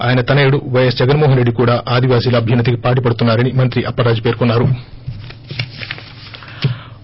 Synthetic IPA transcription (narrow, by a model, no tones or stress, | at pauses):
aːjɐnɐt̪ɐneːuɽuʋɐjesd͡ʒɛɡɐnmɔːɦɐnɾe̞ɖːikuːɽaːʔaːd̪iʋaːsiːlɐɐbʱjɐnːɐd̪ikipaːʈ̬ipɐɽut̪unːaːɾɐnimɐnt̪ɾiʔɐpːɐɾaːd͡ʒipe̞ːɾkunːaːɾu